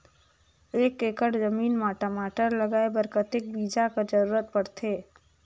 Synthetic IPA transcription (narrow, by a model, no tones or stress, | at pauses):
eːkekəɽzəmiːnmaʈəmaːʈəɾlɐɡaːebəɾkət̪ɪk̚biːd͡ʒakad͡ʒəɾuːɾət̪̚pəɽt̪ʰeː